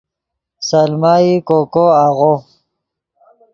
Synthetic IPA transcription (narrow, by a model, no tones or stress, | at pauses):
salmaːikokoaɣo